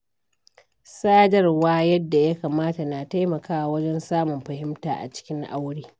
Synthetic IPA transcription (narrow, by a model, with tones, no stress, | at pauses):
saː˦dɐ˦rwaː˦jɐ˦dːa˨ja˦kaː˨maː˦ta˨na˨ta˦jmɐ˨kaː˦wa˨wɐ˦d͡ʒɛ˦nsaː˦mʊ˨mɸɐ˨hɪ˦mta̰ː˨ʔa̰˨t͡ʃɪ̥˦kʲɪ˦ŋʔa̰˦wɽiː˦